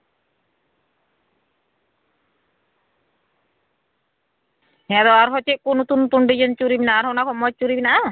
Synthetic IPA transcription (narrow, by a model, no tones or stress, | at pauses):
hɛd̪ɔaɾɦɔt͡ʃeʔkonut̪unt̪uɳɖid͡ʒent͡ʃuɾibinaːɾɦɔwnakʰɔmɔt͡ʃuɾibinaʔa